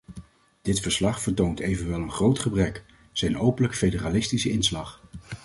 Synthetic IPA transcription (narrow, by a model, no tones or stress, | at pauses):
d̥ɪtfəɹslɑχfəɹtowntejvənʋɛlˠənχrowtχəbrɛk | z̥ɛjnowpənləkfejdəraːlɪstisəɪnslɑχ